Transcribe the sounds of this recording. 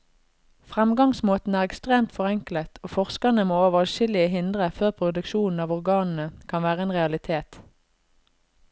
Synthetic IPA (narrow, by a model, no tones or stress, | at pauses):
fʁɛmɡɑŋsmoːt̪n̩æːʁɛkst̪ʁeːmt̪fɔʁɛŋklət̪ʰoːfɔʁskɑnəmoːoːʋəʁʃɪlɪəɦɪnd̪ʁəføːʁpʰʁʊd̪ʉkʃuːn̩ɑːʋɔʁɡɑːnn̩əkʰɑnʋæːʁəeːnʁɛɑlɪt̪ʰeːt̪